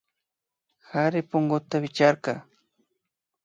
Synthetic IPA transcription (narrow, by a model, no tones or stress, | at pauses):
xaɾɪpoŋɡot̪awɪt͡ʃaɾkɑ